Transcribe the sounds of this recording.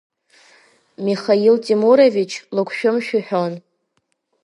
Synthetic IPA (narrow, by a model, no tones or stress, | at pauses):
miχailtʼimuɾovit͡ʃʰlɨkʷʰʃᶣʊmʃᶣʊħᶣon